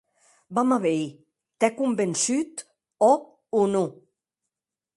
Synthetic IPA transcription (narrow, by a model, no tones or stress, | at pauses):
bamaβej | t̪ɛkumbensyt̪ | ɔ | unu